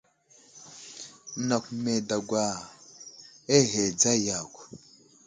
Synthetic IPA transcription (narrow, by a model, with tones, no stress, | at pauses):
na˨k̚ʷme˨da˨ɡʷa˨ | e˦ɦe˨d͡za˦˨ja˨kʷ